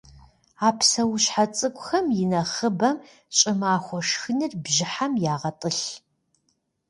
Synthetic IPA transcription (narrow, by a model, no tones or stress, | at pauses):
aːpʰsɐwʊɕħat͡sʼɨkʷʼʊxɐmjɪnɐχəbɐm | ɕʼɪmaːxʷɔʂxɨnɨrbʑɪħamjaːʁɐtʼɨɬ